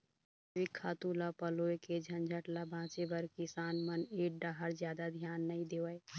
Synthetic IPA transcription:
ʋikʰːat̪ulapəloeked͡ʒʱənd͡ʒʱəʈlabʱãːt͡ʃebəɾkisaːnməneʈ̚ɖaɦəɾd͡ʒjad̪ad̪ʱjanːəid̪ewəj

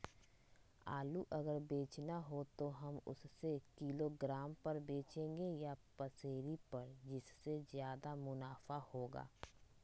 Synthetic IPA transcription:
a̰ːluʔɐɡəɾbeːt͡ʃnaɦot̪oɦɐmʊ̰ssekiloɡɾaːmpɐɾbeːt͡ʃẽːŋɡejapɐseːɾipɐɾd͡ʒɪsːezjaːd̪amʊnaːfahoːɡa̰ː

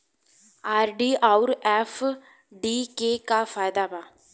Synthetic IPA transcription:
aːɾɖiːʔaːuɾɛːf | ɖiːkeːkaːfaːɪd̪aːmãː

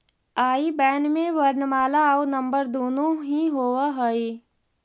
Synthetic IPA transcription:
aːibɛːɳɖmẽʋəɾnmaːlaunə̃mbəɾd̪oːnõɦĩɦoːwaɦoi

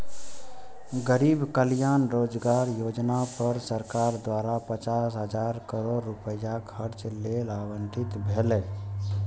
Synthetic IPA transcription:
ɡəɾiːbkəljaːnɾoːd͡ʒɡaːɾjoːd͡ʒnapəɾsəɾkaːɾd̪waːɾapət͡ʃaːsɦəd͡ʒaːɾkəɾoːɾːupəjakʰəɾt͡ʃlelaːbə̃ɳʈɪt̪bʱele

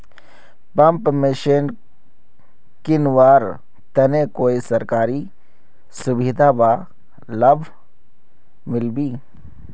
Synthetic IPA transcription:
pɐ̃mpmɪʃin | kɪnʋaːɾ | t̪ɐnekoːisɐɾkaːɾi | sʊbid̪ʱaba | ləbʱ | mɪlbiː

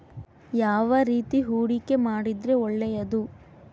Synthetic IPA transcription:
jaːʋɐɾiːt̪iɦuːɽikːe̞maːɽid̪ɾe̞ɔɭːɛjɐd̪u

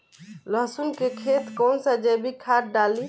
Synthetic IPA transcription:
ləɦsunkekʰet̪kɔnsad͡ʒɛbikʰaɾ̚ɖali

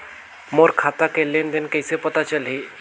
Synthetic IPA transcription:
moɾkʰat̪akelend̪enkəjsepət̪at͡ʃəlɦi

